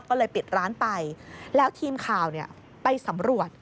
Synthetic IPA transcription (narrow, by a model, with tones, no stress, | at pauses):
kɔː˥˩ɤː˧jpi˨˩t̪̚ɾaː˦˥npa˧jlɛː˦˥wt̪ʰiː˧mkʰaː˨˩wni˥˩ɐ | pa˧jsa˩˦mɾu˨˩ət̪̚